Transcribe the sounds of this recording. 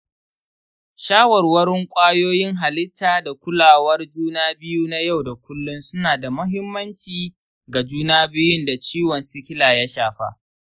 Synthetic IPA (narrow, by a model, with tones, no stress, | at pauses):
ʃaː˦wɐ˨rwɐ˦ɽɪ˦ŋkʷʼaː˦joː˦jɪ˦ŋɦa˨lɪ˦tʰːaː˨da˨kʷʊ˦laː˨wɐ˦rd͡ʒuː˦naː˦bɪ˦juː˦na˦ja˦˨wda˨kʷʊ˦lːʊ˦nsʊ˦naː˨da˨mʊ˦ɦɪ˦mːɐ˦nt͡ʃiː˨ | ɡa˨d͡ʒuː˦naː˦bɪ˦jʊ˦nda˨t͡ʃiː˦wɔ˨nsʊ˦kʲɪ˦laː˨ja˦ʃaː˨ɸa̰ː˦